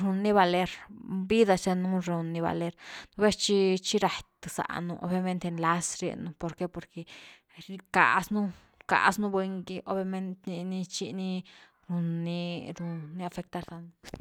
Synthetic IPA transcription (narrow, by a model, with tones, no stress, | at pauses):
ɾu˧nːi˦βa˧le˦ɾbi˦d̪a˧t͡ʃe˧nu˦ɾu˨˧nːi˧βa̰˨le˦ɾn˧be˦st͡ʃi˦t͡ʃi˦ɾa˨t̪sa̰˨nṵ˧ʔo̰˧bja˧me˦nt̪e˧nla˦sɾḛ˧nu˧po˨ɾke˦po˨ɾke˨ | ɾi˧ka̰˨snu˦ | ka̰˨ʔsnu˦bwe˧ŋɡi˧ʔo˦bja˧me˦nt̪i˧ni˧t͡ʃi˧ni˦ | ɾu˧nːi˧ɾu˧nːi˧˦a˧fe˧k̚t̪a˧ɾla˧nu˧